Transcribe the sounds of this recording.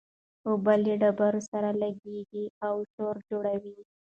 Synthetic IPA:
obaleɖabaɾosaɾalaɡeɡiawʃoɾd͡ʒoɽawi

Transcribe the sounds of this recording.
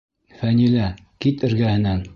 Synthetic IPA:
fænilæ | kit̪ɘ̆ɾɡæhɘ̆næŋ

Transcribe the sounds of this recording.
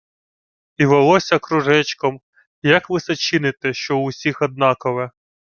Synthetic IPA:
iʋɔlˠɔsʲɐkɾʊʒɛt͡ʃkɔm | jɐkʋɪsɐt͡ʃɪnɪt̪ɪʃt͡ʃɔʊsʲixɔd̪̚nɑkɔʋɛ

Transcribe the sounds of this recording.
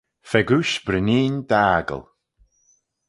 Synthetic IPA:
fɛɡuʃbɾənʲiːnd̪aːɡə̰lˠ

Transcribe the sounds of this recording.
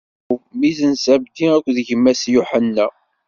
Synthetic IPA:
mizənsæbd̪iækʷːðəʝəmːæsjuħənːæ

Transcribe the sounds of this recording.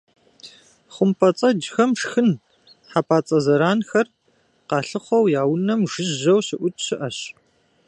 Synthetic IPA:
χʷʊmpʰɐt͡sʼɐd͡ʒxɐmʂxɨn | ħapʰaːt͡sʼɐzɐɾaːnxɐr | qɑːɬɨχʷɔwjaːwnɐmʐɨʑɐwɕɪʔʷʊtʰʼɕɪʔɐɕ

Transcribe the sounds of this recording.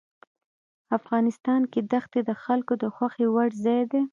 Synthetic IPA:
afɣɑnɪst̪ɑnked̪axt̪ed̪əxalkod̪əxwaxewaɽzɑjd̪e

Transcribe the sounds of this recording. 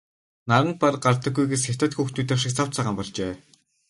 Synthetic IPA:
naɾə̆nparɢart̪ə̆ɡːujɡesxʲḁt̪ʰaːt̪xuːxt̪uːt̪awʃɪ̆k̚t͡sʰaw̥t͡sʰaʁaːmpɔɮt͡ɕeː

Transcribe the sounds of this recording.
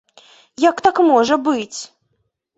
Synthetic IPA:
jakt̪akmɔʐɐbɨt͡sʲ

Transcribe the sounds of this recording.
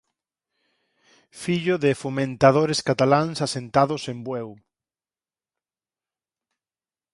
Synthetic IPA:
fiʎʊðɪfomẽnt̪að̞oɾeskat̪alansasent̪aðosembwɛw

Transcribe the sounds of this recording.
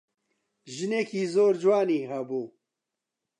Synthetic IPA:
ʒɨnekiːzoːɾd͡ʒwaːniːɦɐbuː

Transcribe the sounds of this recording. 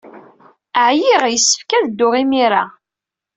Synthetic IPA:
əʕjiʁjəsːə̥fkæðd̪ːʊʁimiɾa

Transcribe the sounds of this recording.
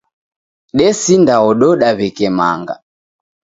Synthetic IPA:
ɗɛsindaɔɗɔɗaβɛkɛma̰ŋɡa̰

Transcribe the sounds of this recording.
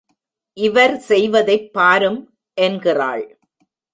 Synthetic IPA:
ʔɪʋɐɾsɛjʋɐðɐɪpːaːɾɯm | ʔɛnɡɪra̰ːɭ

